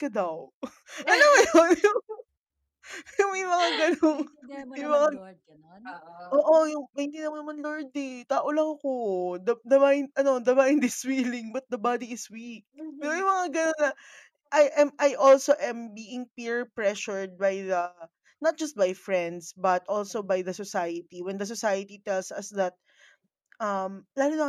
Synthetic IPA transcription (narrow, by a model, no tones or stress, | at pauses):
kɐd̪aw | ʔɐnownɐjʊŋ | jʊŋmɐjmɐŋaɡɐnoŋmɐjmɐŋa | ʔoːʔojʊŋmɐnt̪ĩnːɐmɐnɐmɐnloɹd̪ɪt̪aːʔolɐŋɐko̞d̪ɐd̪ɐmaːʔɪnʔɐno̞d̪ɐbaːʔɪnd̪ɪswiːlɪŋbɐt̪̚d̪ɐbad̪iɪswik̚pɛːɾojʊ̃mɐŋaɡɐnonːɐ | ʔajʔɛmʔajʔolsoʔɛ̃mbiːʔɪŋpiɹpɹɛʃʊɹd̪̚bajðɐ | nɐt̪̚d͡ʒɐst̪̚bɐjfɹɛ̃nd̪sbɐt̪ʔolsobajðɐsɔsajɐt̪iwɛ̃nd̪ɐs̬ɔsajɐt̪it̪ɛlsɐ̰sd̪ɐt̪̚ | ʔɐmlaːlʊnɐ